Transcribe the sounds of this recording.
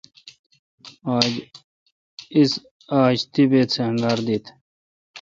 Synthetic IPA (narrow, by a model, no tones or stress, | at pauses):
aːd͡ʑ | is | aːɕt̪ibeːt̪seɐ̃ŋɡaːɾd̪iːt̪ʰ